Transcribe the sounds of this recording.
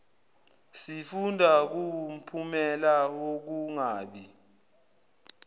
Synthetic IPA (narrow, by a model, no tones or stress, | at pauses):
sifundʱak̬um̩pʰumɛlawok̬uŋaːɓi